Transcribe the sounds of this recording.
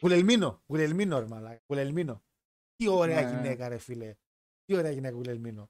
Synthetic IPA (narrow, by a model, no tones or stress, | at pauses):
kulelminokulelminoɾmalakulelmino | kioɾeakinekaɾefile | kioɾeakinekkulelmino